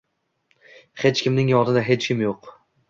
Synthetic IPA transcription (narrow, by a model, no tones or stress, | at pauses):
he̞t͡ʃkʲɪmnɪŋjɒnɪd̪aɦe̞t͡ʃkʲʰɪmjoq